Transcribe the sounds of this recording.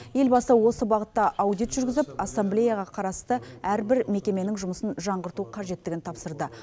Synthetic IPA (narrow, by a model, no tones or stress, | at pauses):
je̞lbɑsəwo̞səbɑʁət̪ːɑʔɑwd̪ijt̪ʒʏɾɡʲɪzɪpɑsːamblʲe̞jaʁɑqʰɑɾɑst̪əæɾbɪɾme̞kʲe̞me̞nɪŋʒʊməsənʒɑɴʁəɾt̪uqʰɑʒe̞t̪ːɪɡʲɪnt̪ʰɑpsəɾd̪ə